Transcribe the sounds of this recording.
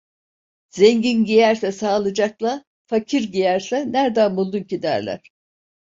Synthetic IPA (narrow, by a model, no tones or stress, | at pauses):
zeɲɟinɟijæɾsɛsaːlˠɯd͡ʒaklˠa | facʰiɾɟijæɾsɛnæɾd̪anmulˠduncid̪æ̰ɾlʲæ̰ɾ̥